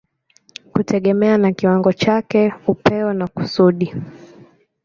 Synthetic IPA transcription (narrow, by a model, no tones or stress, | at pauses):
kutʰɛɠɛmɛanakiwaŋɡɔt͡ʃakɛupɛɔnaku̥suɗi